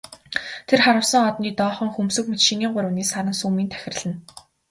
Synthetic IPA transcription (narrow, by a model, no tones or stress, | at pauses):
t̪ʰerχaɾə̆wsə̆ŋɔt̪niːt̪ɔːχɞ̆ŋxumsɘ̆kmɵt͡ɕ̪ʃĭŋiːŋɢʊɾə̆niːsaɾə̆nsuːmiːnt̪ʰæ̥xʲɪ̆rɮɘ̆n